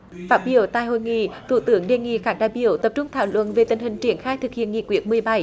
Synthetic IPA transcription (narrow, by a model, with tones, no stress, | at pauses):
faː˦˥t̚ɓi˧˩əwt̪a̰ː˧˨jho̰˧˨jŋḭ˧˨t̪ʰṵ˧˩t̪ɨ˨˦əŋɗe˨˩ŋḭ˧˨xaː˦˥k̚ɗa̰ː˧˨jɓḭ˧˩˦əwt̪ə˨˩p̚t͡ɕʊ˧ŋ͡mt̪ʰaː˧˩wlwə̰˧˨nve˨˩t̪ï˨˩ŋ̟hï˨˩ŋ̟t͡ɕi˧˩ənxaː˧jt̪ʰɨ˨˩k̚hḭ˧˨ənŋḭ˧˨kwi˨˦ən̚mɨ˨˩əjɓa˧˩j